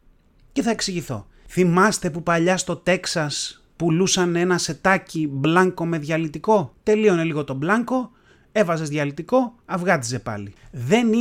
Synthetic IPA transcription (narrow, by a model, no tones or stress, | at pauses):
ce̞θɐe̞ksiʝiθo̞̰ | θimɐst̪e̞pupɐʎɐst̪o̞t̪e̞ksɐs | pulusɐne̞nɐse̞t̪ɐciblɐŋko̞me̞ðʝɐlit̪iko̞t̪e̞lio̞neliɣo̞t̪o̞blɐŋko̞ | e̞vɐzezðʝɐlit̪iko̞ɐvɣɐt̪ize̞pɐ̰liðe̞n